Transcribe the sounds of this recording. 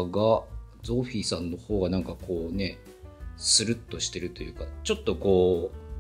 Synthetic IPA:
ɡad͡zo̞ːɸʲiːsãnːo̞ho̞ːɡanãŋkako̞ːne̞ | sɨɾɯ̟t̪ːo̞ɕi̥t̪e̞ɾɯ̟t̪o̞jɯ̟ːkat͡ɕo̞t̪ːo̞ko̞ː

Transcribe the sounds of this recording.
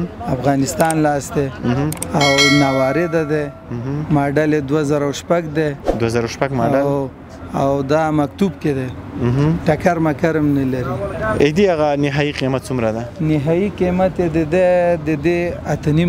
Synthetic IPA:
afɣɑnɪst̪ɑnlɑsd̪e | awnawɑɾed̪ad̪e | mɑɖaled̪wazaɾawʃpaɡd̪ed̪wazaɾawʃpaɡmaɖal | awd̪amak̚t̪ubked̪e | ɦʈakaɾmakaɾamnalaɾied̪iaɣanɪɦɑiqimat̪̚t͡sumɾad̪anɪɦɑiqimat̪ed̪əd̪ed̪əd̪eat̪əni

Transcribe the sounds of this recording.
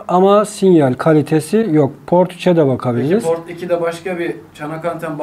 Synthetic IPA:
amasinjalʲkʰalʲit̪ʰesijok̚pʰo̞ɾt̪ʰu̥t͡ʃʰɛd̪ɛbakʰabilʲiɾoɾt̪icʰid̪ɛbaʃkabit͡ʃʰanakant̪ʰanb

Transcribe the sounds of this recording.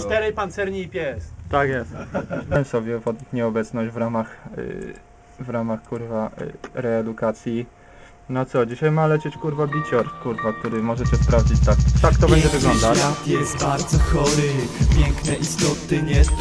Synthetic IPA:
st̪ɛɾɛjpant̪sɛɾɲiːpʲjɛst̪akjɛst̪nɛmsɔbʲjɛvɔd̪ukɲɛɔbɛt̪snɔʑd͡ʑvɾamax | vɾamaxkuɾvaɾɛːd̪ukat̪sʲji | nat̪sɔd͡ʑiɕajmalɛt͡ɕɛt͡ɕkuɾvabʲit͡ɕɔɾkuɾvak̚t̪uɾɘmɔʐɛt͡ɕɛspɾavd͡ʑit͡ɕt̪akt̪akt̪ɔbɛɲd͡ʑɛvɘɡlɔnd̪aajɛst̪baɾd̪zɔxɔɾɪpʲjɛŋknɛʔist̪ɔt̪ɲɛ

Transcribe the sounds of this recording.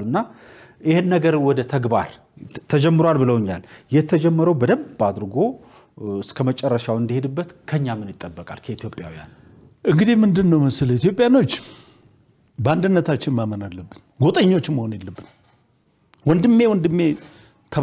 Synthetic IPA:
uɨnːa | ʔɪhɪnːəɡəɾwɔd̪ət̪ʰəɡba̰ɾ | t̪ʰːəd͡ʒɛmːɨɾowalbɨləwɨɲːa̰ljɛt̪ʰːəd͡ʒɛmːəɾəwbəd̪əmbad̪ɾɡo̞ | ɨskʰəmət͡ʃʼɛrːəʃawɨnd̪ihe̞d̪ɨbːət̪kʰəɲːamɨnjɪt̪ʼːəbːəkʼa̰lkʰəit̪jo̞pʼja̰wija̰n | ʔɨŋɡɨd̪imɨnd̪ɨnːəwmɨsɨlit̪jo̞pʼjano̞t͡ʃː | bəand̪ɨnːət̪ʰat͡ʃːɪnmamənalːəbːɨn | ɡot̪ʼəɲːo̞t͡ʃːɪmːəhonjelːəbːɨn | wɔnd̪ɨmːe̞wɔnd̪ɨmːe | t̪ʰə

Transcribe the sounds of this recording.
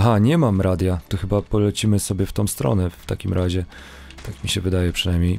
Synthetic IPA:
ɦaɲɛmamɾad̪ʲjat̪ɔxɘbapɔlɛt͡ɕimɘsɔbʲjɛft̪ɔ̃w̃st̪ɾɔ̰nɛft̪akʲimɾʔaʑɛ | t̪akmʲiɕɛvɘd̪ajɛpʂɘnajmɲej

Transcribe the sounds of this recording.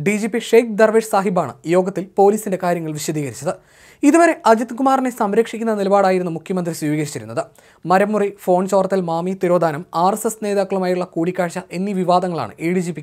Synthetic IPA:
ɖid͡ʑipːiʂejk̚d̪ɐrʋeːʂsaːɦibaːɳɨ̰jo̞ːɡɐt̪ːilpo̞ːliːsinde̞kaːɾjɐŋːɐɭʋiɕɐd̪iːɣɐɾit͡ɕːɐðɨ | iðuʋɐɾe̞ʔɐd͡ʑɐt̪kumaːrnesɐmɾɐkʂikʲːunːɐnilɐbaːɽaːjiɾunːumukʰjɐmɐnd̪riswiːʋiːɣɐɾit͡ɕːɐɾunːɐ̰ðɨ | mɐɾɐmːurifo̞ːnt͡ɕo̞ːrɐt̪ːilmaːmit̪iɾo̞ːd̪ʱaːnɐmaːresesne̞ːðaːkːɐɭumaːjuɭːɐkuːɽikʲːaːɻɕɐʔe̞nːiʋiʋaːd̪ɐŋːɐɭa̰ːɳɨ̰ʔeːɻid͡ʑiːpikʲː

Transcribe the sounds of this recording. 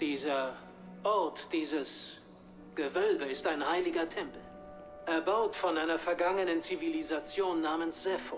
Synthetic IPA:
d̥iːzɐ | ʔɔɐtd̥iːzəs | ɡ̥əvœlbəɪstaɪnhaɪlɪɡɐtʰɛmpl̩ | ʔɛɐbaʊtfɔnʔaɪnɐfɛɐɡaŋənənt͡sivilizat͡sjoːnːaːmənsz̥ɛfo

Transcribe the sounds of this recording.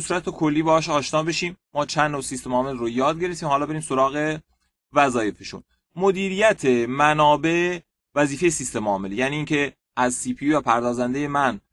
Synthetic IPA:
esuːɾæt̪ʰekʰo̞lːiːbeːɒʃɒːʃnɒːbe̞ʃiːmːɒːt͡ʃʰænːosist̪e̞mɒːme̞lrojɒːd̪̚ɡe̞ɾeft̪iːmhɒːlɒːbe̞ɾiːmso̞ɾɒːɣe̞ | væzɒːje̞feʃṵn | mod̪iːɾijæt̪ʰemænɒːbe̞ʔe | væziːfe̞je̞sist̪e̞mɒːme̞ljæːniːcʰe̞ | ʔæzsiːpʰijuvæpʰæɾd̪ɒːzænd̪eje̞mæn

